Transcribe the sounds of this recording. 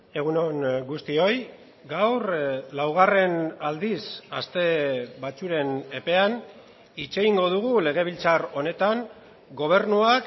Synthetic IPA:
e̞ɣ̞unoŋɡust̪io̞j | ɡawrlawɣ̞are̞nald̪isast̪e̞βat͡suɾe̞ne̞pe̞an | it͡ʃe̞ɣiŋɡo̞ðuɣule̞ɣ̞e̞β̞ilt͡saro̞ne̞t̪aŋ | ɡo̞β̞e̞ɾnuak

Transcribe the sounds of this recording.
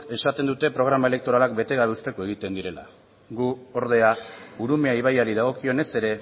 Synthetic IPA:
e̞sat̪e̞nd̪ut̪e̞pɾo̞ɣ̞ɾamae̞le̞k̚t̪o̞ɾalak̚be̞t̪e̞ɣ̞aβe̞ust̪e̞ko̞e̞ɣit̪e̞nd̪iɾe̞la̰ | ɡuo̞ɾðe̞auɾume̞aiβajaɾiðaɣ̞o̞kio̞ne̞se̞ɾe̞

